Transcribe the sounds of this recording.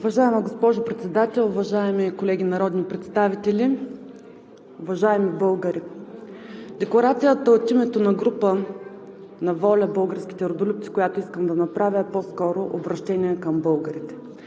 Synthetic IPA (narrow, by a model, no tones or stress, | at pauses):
ʊvɐʒaɛmɐɡospɔʒʊpɾɛt̪sɛd̪at̪ɛlˠʊvɐʒaɛmikolɛɡʲinɐɾɔd̪nipɾɛt̪st̪avit̪ɛli | ʊvɐʒaɛmibɤlˠɡəɾi | d̪ɛklˠɐɾat̪sijət̪əot̪imɛt̪onɐɡɾupə | nɐvɔlʲɐbɤlˠɡəɾsk̟ʲi̥t̪ɛɾod̪olup̚t̪si̥kojat̪oiskəmd̪ɐnɐpɾavʲəposkɔɾoʔobɾɐʃt̪ɛnʲiɛkɐmbɤlˠɡəɾit̪ɛ̥